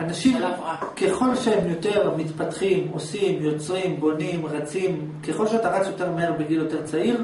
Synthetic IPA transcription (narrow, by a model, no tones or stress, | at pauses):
anaʃimake̞χo̞lʃeemjo̞te̞ʁmit̪patχimo̞simjo̞t͡sʁimbo̞nimʁat͡sim | keχo̞lʃeat̪aʁat͡sjo̞te̞ʁmeeʁbeɡiljote̞ʁt͡saiʁ